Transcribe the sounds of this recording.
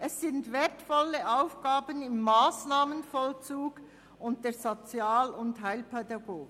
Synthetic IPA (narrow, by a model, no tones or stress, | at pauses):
ʔɛsːɪntvɛːɐtfɔləʔaʊfɡ̥aːbənɪmːaːsnaːmənfɔlt͡suːɡ̥ | ʊnt̚d̥eːɐzot͡sjaːlʊntɦaɪlpʰɛdaɡoːɡ